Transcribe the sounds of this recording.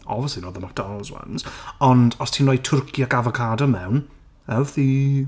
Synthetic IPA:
ɔ̰bviəslinɔːðəmak̚tɔlzwa̰nz̥ɔndɔstʰiːnrɔjtʰʊrkʰjaɡavəkʰadɔmɛwn | ɛwθi

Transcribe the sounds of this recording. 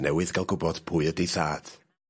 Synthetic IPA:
nɛwɨðɡalˠɡʊbɔd̥pʰʊːɨədejθaːd̥

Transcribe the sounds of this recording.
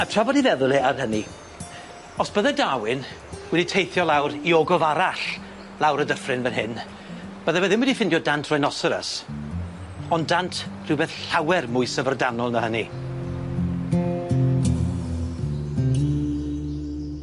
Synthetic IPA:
atʰr̥avɔdivɛðʊlˠiarhəni | ɔsb̥əðɛdawɪn | wɛditʰejθjɔlˠawriɔɡɔvaɾaɬ | lˠawɾədəfrɨnvɛnɦɪn | b̥əðɛwɛðɪmwɛdifɪndjɔdantʰrɔjnɔsəɾə̰s | ɔndantʰr̥ɨwbeːθɬawɛrmʊɨsəvərdanɔlˠnəhəni

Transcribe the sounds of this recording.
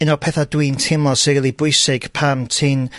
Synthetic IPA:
ɨnɔpʰɛθadwintʰɪmɔ̥siɾiːlˠibʊɨsɪɡ̥pʰamtʰɪn

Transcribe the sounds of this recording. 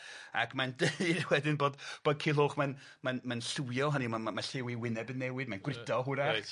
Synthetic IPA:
a̰kʰmandeɨdwɛdɪnboːdb̥oːd̚kʰilˠoːχman | manmanɬuwjɔɦanimamaɬɪwiwɪnɛbənːɛwɨdmanɡrɪdɔɦʊɾa

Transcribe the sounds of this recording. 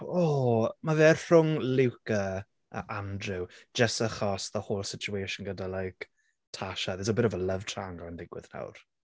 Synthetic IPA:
ɔːmavɛːr̥ʊŋlɪwkə | ə̰ʔandrɪw̥d͡ʒəsəχɔsðəhoːlˠsɪt͡ʃʰueʃʊnɡədalajk | tʰaʃaðɪsɔbɪɾəvɔləv̥tʰraŋɡɔəndɪɡwɪ̰ðna̰wr

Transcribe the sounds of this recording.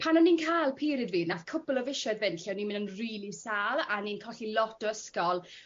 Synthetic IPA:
pʰanɔnːinkʰaːlˠpʰiːɾɪdviːnaθkʰʊpəlˠɔvɪʃɛdvɛnɬjɔnimɪnənriːlisaːlˠaninkʰɔɬilɔtɔəskɔlˠ

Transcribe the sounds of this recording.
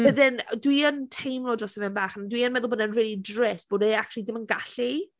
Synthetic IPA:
v̥əðɪndwiəntʰejmlˠɔdəstəvɪnbaːχandwiənmɛðʊbodɛnrilidrɛsb̥oːdeak̚t͡ʃulˠidɪmənɡaɬi

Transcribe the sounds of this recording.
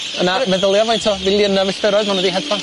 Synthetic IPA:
ənamɛðəlˠjɔvɔjntʰɔvɪlˠjənavɪɬtəɾɔɨðmanədiɦɛdpʰa

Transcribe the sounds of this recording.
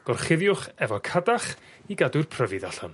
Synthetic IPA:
ɡ̥ɔrχɪvjʊχɛvɔkʰadaχiɡadʊrpʰrəvɨðaɬɔn

